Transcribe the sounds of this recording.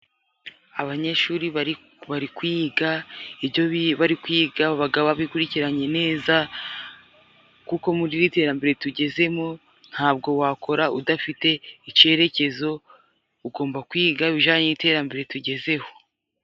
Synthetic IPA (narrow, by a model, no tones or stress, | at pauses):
aβaɲe̞ʃuːɾiβ | βaɾikwiɡaibjoβaɾikwiːɡaβaɡaβaβikuɾiciɾaɲe̞ne̞ːza | kuko̞muɾiɾite̞ːɾambeɾe̞tuɟe̞ze̞mo | n̥haːb̚ɡo̞wako̞ɾaudafite̞ice̞ɾe̞ce̞zo̞ | uɡo̞ːmbakwiːɡaβiʒaːɲeite̞ːɾambeɾe̞tuɟe̞ze̞ho̞